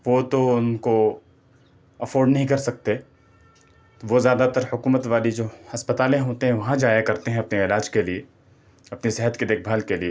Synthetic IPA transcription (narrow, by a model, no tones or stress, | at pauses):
ʋot̪oʊnko | ɐfoːɾɖnɐɦĩkɐɾsɐk̚t̪e | t̪oʋozjaːd̪at̪ɐɾhʊkuːmət̪ʋaːlid͡ʒoːɐspət̪aːlẽɦoːt̪eɦɛ̃ʋɐɦãd͡ʒaːjakɐɾt̪eɦɛ̃ɐpneɪlaːd͡ʒkelie | ɐpneseɦət̪ked̪eːkʰbʱalkelie